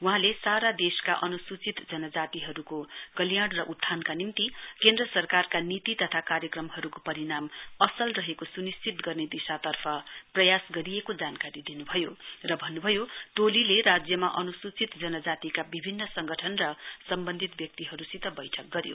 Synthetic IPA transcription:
uɦãlesaɾad̪eska̰ʔʌnusut͡sit̪d͡zʌnʌd͡zat̪iɦʌɾukoɡ̥ʌljaɽrʌʔut̪ʰːankanimt̪ikend̪rʌsʌrkarkanit̪it̪ʌt̪ʰakaɾjʌkrʌmɦʌɾukopʌɾiɽamʌsʌlrʌɦekosunist͡sit̪ɡʌrned̪isat̪ʌrpʰʌprʌjasɡʌɾijekod͡zankaɾid̪inubʱʌjorʌbʱʌnːubʱʌjot̪olilerad͡zjʌmaʔʌnusut͡sit̪d͡zʌnʌd͡zat̪ikabibʱinːʌsʌŋɡʌʈʰʌnrʌsʌmbʌnd̪ʱit̪̚bjʌk̚t̪iɦʌɾusit̪ʌbʌjʈʰʌk̚ɡʌɾjo̰

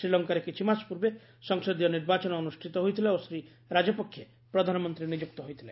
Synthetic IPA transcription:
ɾilɔŋkaɾekit͡ʃʰimaspuɾbe | sɔŋsod̪ijɔniɾbat͡ʃɔnɔːnusʈʰit̪ɔɦojt̪ʰileosɾi | ɾad͡ʒɔpɔkʰːje | pɾɔd̪ʱanɔmɔnt̪ɾinid͡ʒuk̚t̪ɔɦojt̪ʰile

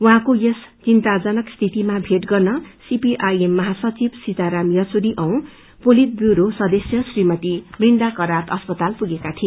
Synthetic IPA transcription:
uɦãkojest͡sint̪ad͡zʌnʌkst̪ʰit̪imabʱeʈɡʌrnʌsipiʔajemːʌɦasʌt͡sibsit̪aɾamjʌt͡suɾiʔʌw̃ | polit̪̚bjuɾosʌd̪ʌsjʌsrimʌt̪ibrind̪akʌɾat̪ʌspʌt̪alpuɡekat̪ʰi

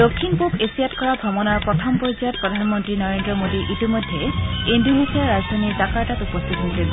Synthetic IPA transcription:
d̥okʰːinpopesijatkɔɹaɡʱɔmɔnɔɹpɹɔtʰɔmpɔzijɔt̚pɹɔdʱanmɔntɹinɔɹendɹɔmodiʔitimɔjdʱːeendunisiaɹːazdɹaniɹdakaɹtatupɔstʰitɦojsɛl

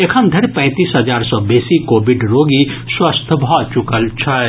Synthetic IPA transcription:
ekʰəmd̪ʱɐɾpɛ̃ːt̪iːsɦɐd͡ʒaːɾsɔbeːsikoːbɪɖɾoːɡiswəst̪ʰbʱaːt͡ʃʊkəlt͡ʃʰɐ

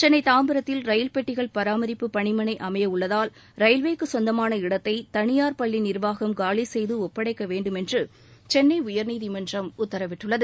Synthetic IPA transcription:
t͡ʃɛnːɐɪt̪aːmbɯɾɐt̪ːɪlɾɐjɪlpɛʈːɪɣɐɭpɐɾaːmɐɾɪpːɯpɐɳɪmɐnɐɪʔɐmɐjɐʊɭːɐðaːl | ɾɐjɪlʋeːkːɯsɔnd̪ɐmaːnɐɪɽɐt̪ːɐɪt̪ɐɳɪjaːɾpɐɭːinɪɾʋaːɣɐmɡaːɭisɛjðɯɔpːɐɽɐɪkːɐʋeːɳɖɯmɛndrɯ | t͡ʃɛnːɐɪʊjɐɾniːðɪmɐndrɐmʊt̪ːɐɾɐʋɪʈːɯɭːɐðɯ

